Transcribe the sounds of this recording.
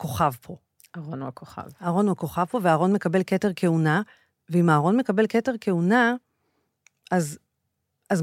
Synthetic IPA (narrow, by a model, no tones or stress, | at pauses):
ko̞χavpʰo̞ | aʁonuakoχa̰vaʁo̞nuako̞χavpo̞veaːʁo̞nme̞kabe̞lketeʁke̞una | veimaːʁo̞nme̞kabe̞lke̞te̞ʁke̞una | az | az